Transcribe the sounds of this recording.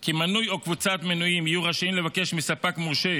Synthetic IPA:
kimanujokvut͡sat̪menujimijuʁaʃaimle̞vake̞ʃmisapakmuʁʃe

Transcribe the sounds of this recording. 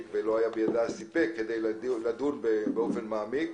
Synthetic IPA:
kvelo̞ajabejad̪asipekːed̪e̞jllad̪unbebeo̞fe̞nmaːmik

